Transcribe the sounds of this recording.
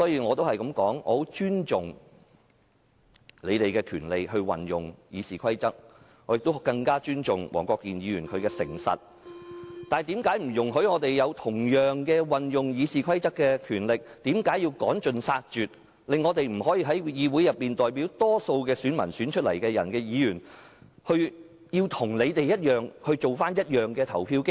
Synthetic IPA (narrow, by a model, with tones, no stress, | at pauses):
sɔː˨˥jiː˧ŋɔː˨˧t̪o˥whɐ˨jkɐ˨˥mkɔː˨˥ŋɔ̰ː˨˧ho˨˥wt͡ʃyː˥nt͡ʃʊ˨ŋ | le˨˧jt̪e˨jkɛː˧kʰyː˨˩nle˨jɦɵ˧ɥwɐ̰˨njʊ˨˩ŋjiː˨˧siː˨kʰɐ˥jt͡sɐ˥k̚ | ŋɔː˨˧jɪ˨k̚t̪o˥kɐ˧ŋkaː˥t͡ʃyː˥nt͡ʃʊ˨˩ŋwʔɔ̰ː˨˩ŋkʷɔː˧kːiː˨˩njiː˨˧jyː˨˩nkʰɵ˨˧ɥkɛː˧sɪ˨˩ŋsɐ̰˨t̚ | t̪aː˨nt̪iː˨˥mkaː˨˥jm̩˨˩jʊ˨˩ŋɦɵ˨˥ɥŋɔː˨˧t̪e˨˩jjɐ˨˧wt̪ʰʊ˨˩ŋjœː˨ŋkɛː˧wɐ˨njʊ˨ŋjiː˨˧˥siː˨kʰɐ˥jt͡sɐ˥kːɛ˧kʰyː˨˩nlɪ˨k̚t̪iː˨˥mkaː˨˥jiː˧wkɔː˨˥ŋt͡ʃɵ˨nsaː˧k̚t͡ʃyː˨t̚ | lɪ˨ŋːɔː˨˧t̪e˨jm̩˨˩hɔː˨˥jiː˧ɦɐ˨˥jjiː˨˧wu˨˥jɐ˨p̚ːiː˨nt̪ɔː˨˩jpi˨˥wt̪ɔː˥so˧wkɛː˧syː˨˥nmɐ̰˨˩nsyː˨˥nt͡ʃʰɵ˥t̚lɐ̰˨˩jkɛː˧jɐ̰˨˩nkɛː˧jiː˨˧jyː˨˩nhɵ˧ɥ | jiː˧wt̪ʰʊ˨˩ŋle˨˧jt̪e˨jɐ˥t̚jœː˨ŋhɵ˧ɥt͡so˨wfaː˥njɐ˥t̚jœː˨ŋkɛː˧t̪ʰɐ˨˩wpʰiː˧wkɪ˥